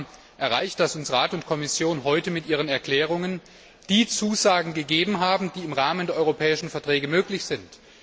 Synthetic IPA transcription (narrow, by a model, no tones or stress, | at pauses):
ʔɛɐʁaɪçt̚d̥asʊnsʁaːtʊntkʰɔmɪsjoːnɦɔʏtəmɪtʔiːʁ̞ənɛɐkl̥ɛːʁ̞ʊŋən | d̥iːt͡suːzaːɡŋ̩ɡəɡeːbm̩ɦaːbm̩diːɪmʁaːməndeːɐʔɔʏʁopʰɛːɪʃn̩fɛɐtʁ̥ɛːɡəmøːklɪçz̥ɪnt